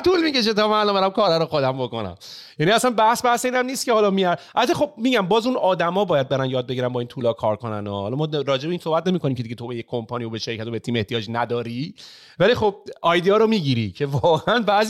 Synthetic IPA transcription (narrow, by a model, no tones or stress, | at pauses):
t̪ʰulmiːce̞ʃ̬et̪ɒːmælobeɾæmkʰɒːɾæɾoxod̪æmbo̞konæ̰mjæːniæsænbæhsbæhseiːnæmniːst̪kehɒːlɒmiæɾʔælbæt̪ʰːexo̞b̚miːɡɟæmbɒːzunɒːd̪æmɒːbɒːjæd̪̚beɾænjɒːd̪̚be̞ɡiːɾænbɒːint̪ʰuːlɒːkʰɒːɾkʰonæ̰nɔ̰hɒlɒmɒːɾɒːd͡ʒebiːnsohbæt̪ne̞miːkoniːmcʰeiɟet̪ʰobejekʰompʰɒnijobeʃeɾkʰæt̪obet̪ʰiːme̞ht̪ijɒːd͡ʒnæd̪ɒːɾi | vælixob̚ʔɒjd̪iɒɾomiːɟiɾicʰe̞vɒːɣeænbæz